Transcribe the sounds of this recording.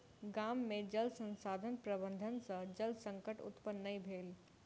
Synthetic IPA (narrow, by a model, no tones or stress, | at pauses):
ɡaːmːẽd͡ʒəlsə̃nsaːd̪ʱənpɾəbənd̪ʱənsə̃d͡ʒəlsə̃ŋkəʈʊ̰t̪pənːəibʱeːl